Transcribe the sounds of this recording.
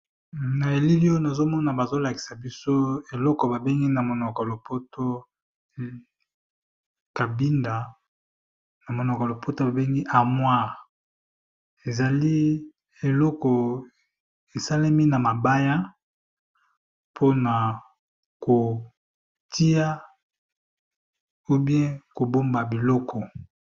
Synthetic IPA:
na˨e˨li˦li˦jo˦na˨zo˦mɔ˦na˨ba˨zo˦la˨ki̥˨sa˨bi˦so˦e˨lɔ˦kɔ˨ba˨be˦ŋɡi˦na˨mo˨nɔ˨ka˨lo˨pʰo˦to˦˨ | ka˨bi˦nda˨ | na˨mo˨nɔ˨ka˨lo˨po˦to˦ba˨be˦ŋɡi˦ʔa˨mwa˦ | e˨za˨li˦ | e˨lɔ˦kɔ˨ | e˨sa˦la˦mi˦na˨ma˨ba˦ja˦ | pʰo˦na˨ | ko˨ | tʰi˦ja˦ | o˦bjɛ̃˦ko˨bo˦mba˨bi˨lɔ˦kʰɔ˨

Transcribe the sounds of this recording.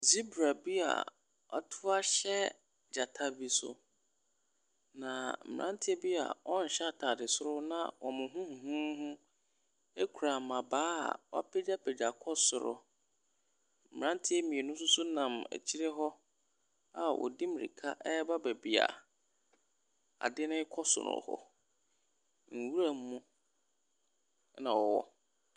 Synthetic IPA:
zi˦bɾa˨bi˦a̰˨ | a̰˨tʰʊ˦a˦ɕɛ˦ | d͡ʑa˨tʰa˦bi˨sʊ̰˨ | nã˨m̩˨ʔã˦n˦tʰɪ˦ɛ˦bi˦a̰˨ɔ̃˦n̩˨ɕɛ˦a˨tʰaː˨dɪ˨sʊ˦ɾʊ˦nã̰˦˨wʔɔ˨mʊ̃˨ɦʊ̃˦hũ˨ɦũ˦ɦʊ̃˦ | e˦kʰu˨ɾa˨mã˨baː˦a̰˨wɔ̰˦pʰɛ˦d͡ʑa˦pʰɛ˨d͡ʑa˨kʰɔ˦sʊ˨ɾʊ̰˦ | m̩˨mɪ˨ɾã˦n˦tʰɪ˦e˦mĩ˨e˨nʊ̃˦s̬ʊ˦sʊ˦nã˨mæ̰˨t͡ɕʰi˦ɾɛ˦ɦɔ˦ | a˨wʔɔ̰˨di˦mɪ˨ɾḭ˨kʰa̰˦ʔɛ˦ba˦bæ˨bi˨a̰˨ | a̰˨dɪ˦nʊ̃˦ɪ˦kʰɔ˦sʊ̰˨ɾʊ̰˨hɔ̰˨ | ŋ̩˨wu˦ɾa˦m̩˦mũ˦ | nã˨wɔ˨wɔ̰˦

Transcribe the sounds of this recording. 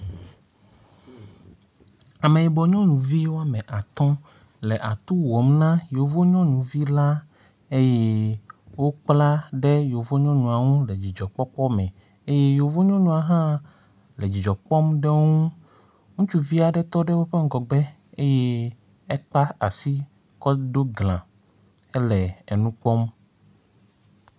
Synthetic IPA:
a˨me˨i˨bɔ˨ɲɔ̃˦nũ˨vi˦wo˦a˦mɛ̃˨ʔa˨t̪ɔ̃˦ | lɛ˨ʔa˨t̪u˦wɔ˨˦mnã˦jo˨vo˦ɲɔ̃˦nũ˨vi˦la˦ | e˦je˦wo˦k͡pla˦ɖɛ˦jo˨vo˦ɲɔ̃˦nũ˨a˨ŋũ˦lɛ˨d͡ʑi˨d͡ʒɔ˨k͡pɔ˦k͡pɔ˦mɛ̰̃˨ | e˦je˦jo˨vo˦ɲɔ̃˦ɲũ˨a˨ɦã˦ | lɛ˨d͡ʑi˨d͡ʒɔ˨k͡pɔ˦mɖɛ˦ŋũ˦ | ŋũ˦t͡ʃu˦vi˦a˨ɖɛ˦t̪ɔ˦ɖɛ˦wo˦ɸɛ˦ŋ˦ɡɔ˨ɡ͡bɛ˦ | e˦je˦ | ɛ˦k͡pa˦a̰˨si˦ | kɔ˦ɖo˦ɡlã̰˨ | ɛ˦lɛ˨ɛ˨nũ˦k͡pɔ˦m

